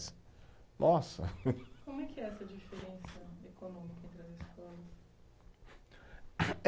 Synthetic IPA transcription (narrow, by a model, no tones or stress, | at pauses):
s | nʔɔsɐ̰kõmʊɛkɪɛɛsɐd͡ʒifeɾẽsɐekonõmikɐẽnt̪ɾɪɐzeskɔlɐs